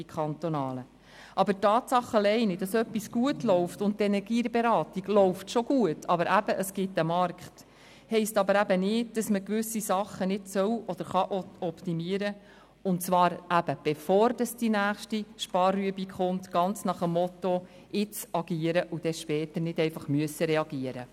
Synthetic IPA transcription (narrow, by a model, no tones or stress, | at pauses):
ikχɑnt̪onɑːlə | ʔɑbətɑːt̪sɑχːəlɛɪnid̥ɑsœpːisɡ̥uətlɔʊftʊnt̚tɛnɛɾɡiːbeɾɑːtiɡ̥lɔʊftʃɔɡ̥uətʰɑbəɾʔæb̥əʔəsɡ̥ɪtːəmɑɾkχt | hɛɪstɑbəɾæbənɪːd̚d̥ɑsməkʋʏsisɑχːənɪdsœwɔd̥̪əɾχɑʔɔɔptimiəɾə | ʊntt͡svʋɑːɾæb̥əb̥efɔːɾd̥ɑsd̥inæːχʃtiʃpɑːrːyəbikχʊntɡ̥ɑnt͡snɑχəmːɔto | ʔɪt͡sɑɡiːəɾəʔud̥ɛʃpɛːtənɪdɛɪfɑχmyəsəɾɛɑɡiəɾə̰